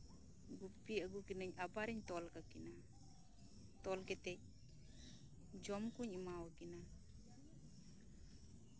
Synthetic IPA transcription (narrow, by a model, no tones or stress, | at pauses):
ɡupːiəɡukinəɲabaɾiɲt̪ɔlkakina | t̪ɔlkɛt̪ɛc̚ | d͡ʒɔmkuɲimawakina